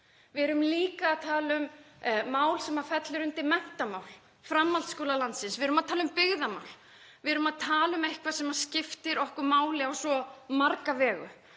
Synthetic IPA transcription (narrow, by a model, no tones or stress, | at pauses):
vɪɛɾʏmliːkaːðt̪ʰaːlʏmː | aːwlsɛmaɾfɛt̪lɪɾʏnt̪ɪmɛn̥t̪amaːwl | fɾamːalt̪skoːwlalant̪sɪnsvɪɾʏmaðt̪ʰaːlʏmpɪɣðama̰wl̥ | vɪɛɾʏmaðt̪ʰaːlʏmehkʰvasɛmḁscɪft̪ɪɾɔhkʏɾmaːwlɪawsɔmaɾkavɛːɣʏ̰